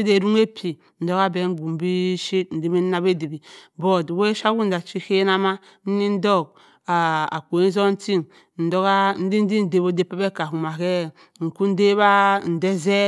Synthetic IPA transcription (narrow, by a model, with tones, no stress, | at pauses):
i˦de˨ɾu˦ŋe˦pʰi˨ | n̩˨do˦ka˦be˦ŋ̩˦ɡu˨m˦bi˦ʃi˦tn̩˨di˦mi˦n˦na˦be˦˨di˨bi˨bo˦˨dwe˦ʃa˦ɡu˦n̩˦da˨t͡ʃi˦ke˦na˦ma˦ | n̩˦ni˦n̩˦dɔ˦˨k̚ | a˨a̰˨ko˨e˦n˦zo˦n̩˦ti˦ŋ | n̩˨do˦ka˦n̩˦di˦n̩˦di˦n̩˦˨de˨bo˨˦de˦pe˦be˦ka˨ku˨ma˨ke˦ | ŋ̩˨ku˦n̩˦de˦ba˦n̩˨de˦ze˦